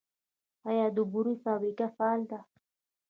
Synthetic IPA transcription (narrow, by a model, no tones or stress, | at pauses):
hajad̪ubuɾufabɾikafald̪a